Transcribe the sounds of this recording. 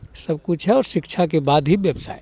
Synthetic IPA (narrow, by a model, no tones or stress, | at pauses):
səbkut͡ʃʰɦɛɔːɾsikt͡ʃʰakebad̪ʱɦibjəbsa̰j